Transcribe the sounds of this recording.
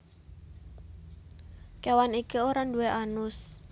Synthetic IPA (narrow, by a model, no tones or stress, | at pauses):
kewanikioɾandueʔanʊs